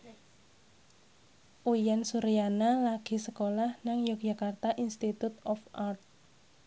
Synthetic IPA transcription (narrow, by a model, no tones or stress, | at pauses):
ʔujansuɾijanalaɡ̥i̤səkolahnaŋjoɡ̥̚ʒ̥a̤kart̪aʔinst̪it̪ut̪ɔfart̪̚